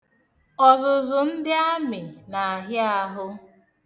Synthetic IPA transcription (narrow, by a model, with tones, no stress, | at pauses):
ɔ˨zʊ˨zʊ˨n̩˦dɪ˦a˦mɪ˨na˨a˨ɦja˦a˦ɦʊ˦